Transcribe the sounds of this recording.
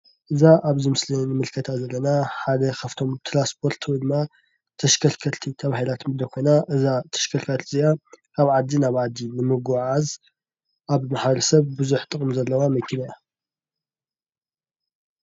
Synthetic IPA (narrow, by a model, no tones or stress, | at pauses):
ʔɨzaʔaβzɨmɨslinɨmɨlkʰɐt̪ʰazɐlːɐnaħad̪ɐkʰɐft̪ʰo̞mt̪ʰɾaspʰo̞ɾt̪ʰwid̪ɨmːa | t̪ʰɐʃkʰɐɾkʰɐlt̪ʰit̪ʰɐβahilat̪mɨd̪ɐkʰo̞jnaʔɨzat̪ʰɐ̥ʃkʰɐɾkʰat̪ziʔa | aβʕad̪ːinaβʕad̪ːinɨmɨɡaʕaz | ʔaβmaħbɐɾɐsɐβbuzuħt̪ʼɨχʼmzɐlːɐwamɐkʰːinaja